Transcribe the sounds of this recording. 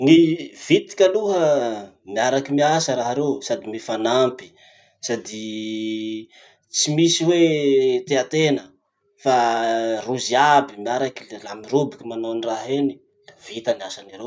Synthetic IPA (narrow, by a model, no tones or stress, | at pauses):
niv̥it̪i̥kʲaluɦə | miaɾakimiasəɾaɦaɾewsad̪imifanampi̥ | sad̪i | t͡simisiwet̪eat̪enə | faruziabimiaɾakillamirubikʲimanoaniraɦeni̥ | lavit̪aniasanaɾe